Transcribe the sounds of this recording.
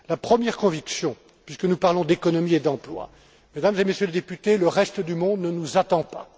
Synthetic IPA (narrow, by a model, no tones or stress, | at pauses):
lapχəmjɛʁkɔ̃viksjɔ̃ | pɥiskənupaʁlɔ̃d̪ekɔnɔmied̪ɑ̃plwa̰ | med̪amzemesjøled̪epyt̪eləʁɛst̪əd̪ymɔ̃d̪nənuzat̪ɑ̃pa̰